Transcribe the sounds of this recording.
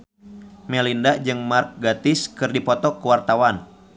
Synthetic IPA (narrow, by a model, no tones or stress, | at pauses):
mɛlindad͡ʒɨŋmark̚ɡat̪ɪskɨrdipɔt̪ɔkuwart̪awan